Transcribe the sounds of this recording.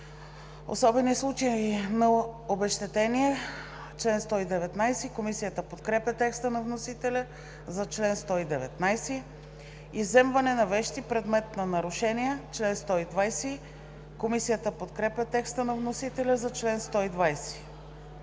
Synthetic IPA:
o̰sɔbɛnislˠut͡ʃəinɐobɛʃt̪ɛt̪ɛniɛ | t͡ʃlɛnst̪ɔid̪ɛvɛt̪najsikomisijət̪əpot̪kɾɛpʲət̪ɛkst̪ənɐvnosit̪ɛlʲə | zɐt͡ʃlɛnst̪ɔid̪ɛvɛt̪najsi | izɛmvɐnɛnɐvɛʃt̪ipɾɛd̪mɛt̪nɐnɐɾʊʃɛniɛt͡ʃlɛnst̪ɔid̪vajsi | komisijət̪əpot̪kɾɛpʲɐt̪ɛkst̪ənɐvnosit̪ɛlʲɐzɐt͡ʃlɛnst̪ɔid̪vajsi̥

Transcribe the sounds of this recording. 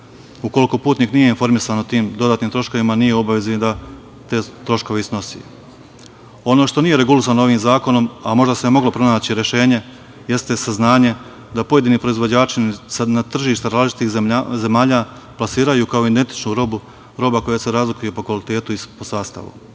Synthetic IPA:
uko̞liko̞puːt̪niːknije̞info̞ɾmisaːnot̪iːmd̪o̞d̪aːt̪niːmt̪ɾo̞ʃko̞ʋimanije̞o̞baʋezid̪a | t̪e̞ːt̪ɾo̞ʃko̞ʋeisno̞sḭ | o̞no̞ːʃt̪o̞nije̞ɾe̞ɡulis̬aːnoo̞ʋiːmzaːko̞no̞mamo̞ʒd̪asemo̞ɡlo̞pɾo̞naːt͡ɕiɾe̞ʃe̞ːɲe̞ | je̞st̪esaznaːɲe̞ | d̪apo̞je̞d̪iːnipɾo̞izʋo̞d͡ʑaːt͡ʃinsnat̪r̩ʒiːʃt̪aɾaːlit͡ʃit̪ixze̞maːʎaː | plasiːɾajuːkao̞ind̪e̞nt̪i̥t͡ʃnuɾo̞bu | ɾo̞bako̞jase̞ɾaːzlikujupo̞kʋalit̪e̞ːt̪uipo̞saːst̪a̰ʋṵ

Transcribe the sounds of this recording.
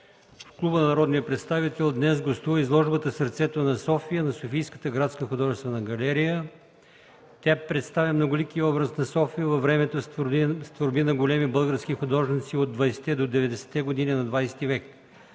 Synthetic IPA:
fklˠubənɐnɐɾɔd̪nijəpɾɛt̪st̪avit̪ɛlˠd̪nɛzɡost̪uvəizlˠɔʒbət̪əsəɾt̪sɛt̪onɐsɔfijənɐsofijskə̥t̪əɡɾat̪skəxʊd̪ɔʒɛst̪vɐnɐɡɐlɛɾijə | t̪apɾɛt̪st̪avʲəmnoɡʊlikiɔbɾəsnɐsɔfijəvɐvɾɛmɛt̪osst̪voɾbinɐɡolɛmibɤlˠɡəɾskixʊd̪ɔʒnit̪siod̪vɐjsɛ̥t̪ɛd̪od̪ɛvɛd̪ɛsɛ̥t̪ːɛɡod̪ininɐd̪vajsɛ̥t̪ivɛk

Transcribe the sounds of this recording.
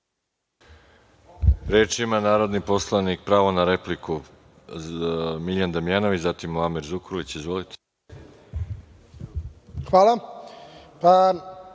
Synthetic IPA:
ɾeːt͡ʃimanaːɾo̞d̪nipo̞slˠanik̚pɾaːʋonaɾe̞pliku | miʎand̪amijanoʋit͡ɕzat̪imuamiɾzukɾulit͡ɕizʋolit̪e̥ | xʋaːlˠa | pa

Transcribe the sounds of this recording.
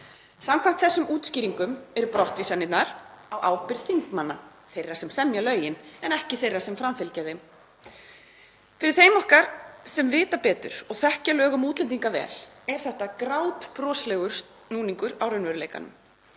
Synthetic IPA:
samkʰam̥t̪θɛsːʏmuːt̪sciːɾiŋkʏmɛɾʏpɾɔht̪visanːɪt̪naɾ̥awʔa̰ːwpɪɾ̥θiŋkmanːa | θejrːḁsɛmsɛmjalœːɥjɪnɛnɛhcɪθejrːasɛmfɾamfɪlcɛðɪm | fɪɾɪðθejmɔhkaɾ̥sɛmvɪːt̪apɛːt̪ʏ̰ɾ̥ɔɣθɛhcalœːɣʏmuːt̪lɛnt̪̬iŋkavɛ̰ːl | ɛɾ̥θɛht̪akɾaːwt̪pɾɔːslɛːɣʏɾ̥s | nuːniŋkʏɾawɾœnvɛɾʏlejka̰nʏ̰m

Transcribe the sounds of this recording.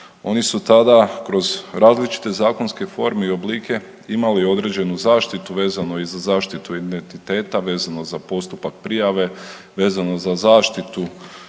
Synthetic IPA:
o̞nisut̪ad̪akɾo̞zɾaːzlit͡ʃi̥t̪e̞zaːko̞nske̞fo̞ːɾmeio̞bliːkʰe̞ | imalio̞d̪ɾe̞ːd͡ʑe̞nuzaːʃt̪it̪uʋe̞ːzano̞izazaːʃt̪it̪uid̪ent̪it̪e̞ːt̪aʋe̞ːzano̞zapo̞st̪upak̚pɾijaʋe̞ | ʋe̞ːzano̞zazaːʃt̪it̪u

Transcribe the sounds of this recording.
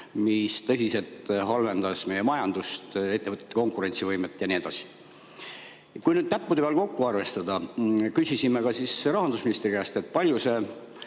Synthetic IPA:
mist̪ɤ̞sʲise̞lt̪ɦɑlve̞nd̪̥ɑsme̞jemɑjɑnd̪ust̪e̞t̪ːe̞vɤt̪ːˑet̪ːko̞ŋkˑuɾe̞nʲt̪sivɤjmet̪ːˑjɑnied̪ɑsi̥ | kujnyːd̪̥̚t̪æpːud̪e̥eɑlko̞kːuɑrve̞st̪ɑd̪̥ɑkysisimekɑsisrɑɦɑnd̪usminist̪rikæst̪e̞t̪̚ːˑpɑlʲjuse̞

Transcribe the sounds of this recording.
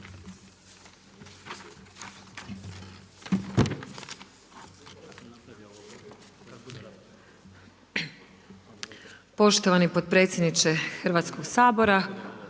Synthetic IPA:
po̞ʃt̪oʋanipod̪̚pɾe̞t̪sʲjed̪nit͡ʃexrɾʋat̪sko̞ɡsaːbo̞ɾa

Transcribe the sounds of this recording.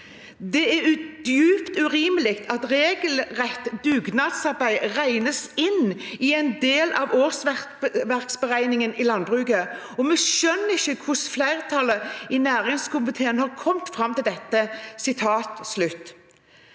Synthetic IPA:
d̪ɛæɾʉd̪̥jʉːpt̪ʉɾiːməlɪkt̪ʰɑt̪ɾeːɡəlʁɛt̪ːd̪ʉːɡnɑd̪sɑɾbæɪʁæɪnəsɪnɪɛɪnd̪eːlʔɑʋoːʁsʋæʋæʁksbəʁæɪnɪŋənɪlɑnbʁʉɡə | ɔmɛʃœnːəɪçːəkʰʊsflæɪʁt̪ʰɑləɪnæːɾɪŋskʊmɪt̪ʰeːənhɑʁkʰɔmt̪fʁɑmt̪ɪld̪ɛt̪ːəsɪt̪ʰɑːt̪slʉt̪ː

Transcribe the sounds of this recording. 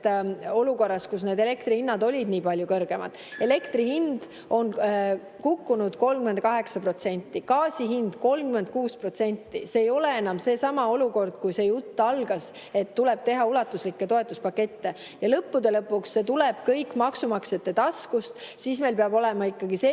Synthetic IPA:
t̪o̞luko̞rːɑskusne̞d̪e̞le̞kt̪rihinːɑd̪o̞lʲid̪niːpɑlʲjukɤrɡ̥e̞mɑ̰d̪̥e̞le̞kt̪rihind̪ | o̞n | kukːunud̪̥ko̞lmkyme̞nd̪̚kɑɦe̞ksɑpro̞t̪se̞nʲt̪ːˑikɑːsiɦind̪̥ko̞lmkymend̪̚kuːspro̞t̪se̞nʲt̪ːiseːjo̞leenɑmse̞ːsɑmɑo̞luko̞rd̪̥̚kujse̞jut̪ːɑlɡ̥ɑs | e̞t̪ːule̞b̥̚t̪e̞ɦɑulɑt̪ːuslikːe̞t̪o̞e̞t̪ːˑuspɑkːe̞t̪ːe̞ | jɑlɤpːud̪e̞lɤpːˑuksːe̞t̪ule̞b̥kɤjkːmɑksumɑkse̞t̪ːe̞t̪ɑskust̪siːsme̞jlpeɑbo̞lɛmɑikːɑɡ̥ise

